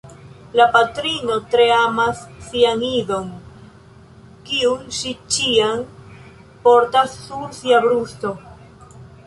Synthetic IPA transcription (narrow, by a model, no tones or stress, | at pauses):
lapatɾino̞tɾeamasːianiðo̞n | kiunʃit͡ʃian | po̞ɾtasːuɾsiabɾust̪o̞